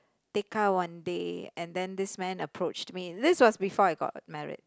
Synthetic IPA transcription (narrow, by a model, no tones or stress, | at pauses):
tekawãndeɛ̃nd̪ɛ̃nd̪ɪsmɛ̃nəpʰɹot͡ʃtmidɪswɔsbifɔaɪɡɔ̰t̚mɛɹɪ̰d̥̚